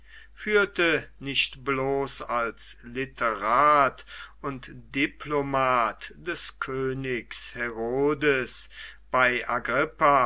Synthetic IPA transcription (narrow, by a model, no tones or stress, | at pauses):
fyːɐtənɪçtbloːsalslitʰəʁaːtʊntd̥ipʰlomaːtd̥ɛskʰøːnɪkshɛʁoːdəsb̥aɪʔaɡʁɪpa